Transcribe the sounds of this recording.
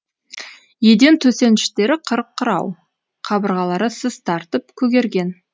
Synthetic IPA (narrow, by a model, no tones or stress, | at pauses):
je̞d̪e̞nt̪ʰɵse̞nɪ̥ʃt̪e̞ɾɪqʰəɾəqʰːəɾɑ̰w | qʰɑbəɾʁɑlˠɑɾəsəz̥t̪ʰɑɾt̪əp̚kʲʰɵɡʲe̞ɾɡʲe̞n